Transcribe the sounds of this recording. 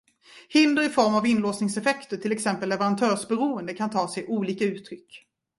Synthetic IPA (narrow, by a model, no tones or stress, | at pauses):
hɪnd̪əɾɪfɔɾmavɪnloːsnɪŋsɛfɛkt̪əʈʰɪlɛksɛmpəlːɛvɛɾant̪ʰœːʂbɛɾuːənd̪əkʰant̪ʰɑːsɛjʔuːliːkaʉ̟ːt̪ʰɾʏkː